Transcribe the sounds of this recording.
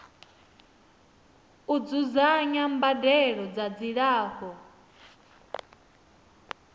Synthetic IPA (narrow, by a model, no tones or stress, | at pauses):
ud͡zuzaɲambadɛɺɔd͡zad͡ziɺaːhɔ